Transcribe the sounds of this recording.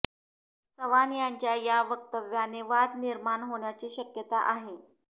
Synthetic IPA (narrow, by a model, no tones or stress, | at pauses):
səʋanjaɲt͡ɕjajaʋək̚t̪əʋjaneʋad̪niɾmaɳɦoɳjat͡ɕiːɕəkjət̪aʔaɦe